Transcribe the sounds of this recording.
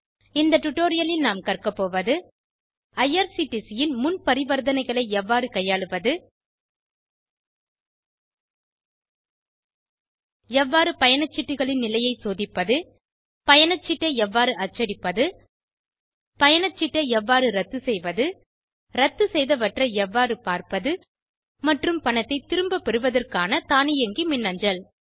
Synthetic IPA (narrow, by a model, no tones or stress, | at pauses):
ɪnd̪ɐʈːʊʈːoːɾɪjɐlɪlnaːmkɐrkɐpːoːʋɐðɯ | ɐjɐɾsiʈːɪsɪjɪnmʊnpɐɾɪʋɐɾðɐnɐɪɣɐɭɐɪɛʋːaːɾɯkɐjaːɭɯʋɐðɯ | ɛʋːaːɾɯpɐjɐnɐt͡ʃːɪʈːɯɣɐɭɪnnɪlɐjɐɪsoːðɪpːɐðɯ | pɐjɐnɐt͡ʃːɪʈːɐɛʋːaːɾɯɐt͡ʃːɐɾɪpːɐðɯ | pɐjɐnɐt͡ʃːɪʈːɐɛʋːaːɾɯɾɐt̪ːɯsɛjʋɐðɯ | ɾɐt̪ːɯsɛjðɐʋɐʈrɐɛʋːaːɾɯpaːɾpɐðɯ | mɐʈrɯmpɐnɐt̪ːɐɪt̪ɪɾɯmbɐpɛɾɯʋɐðɐrkaːnɐt̪aːnɪjɐŋɡimɪnːɐɲd͡ʒɐl